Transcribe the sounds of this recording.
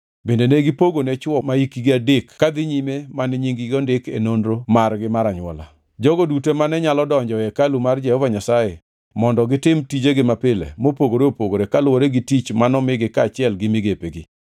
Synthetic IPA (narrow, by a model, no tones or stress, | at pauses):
bendeneɡɪpoɡonet͡ʃwɔmaikiɡɪadekkːad̪ɪɲimemanɛɲiŋɡɪɡɔndɪkḛnondɾomarɡɪmaɾaɲʊɔ̰la̰ | d͡ʒɔɡodutemanɛɲalɔdɔɲd͡ʒɔjɛkalumard͡ʒɛhɔvaɲasaje | mɔndɔɡɪtɪmtid͡ʒeɡɪmapɪlḛmopoɡoɾeopoɡoɾekalwoɾeɡitit͡ʃmanɔmɪɡɪkaːt͡ʃɪɛlɡɪmɪɡepeɡɪ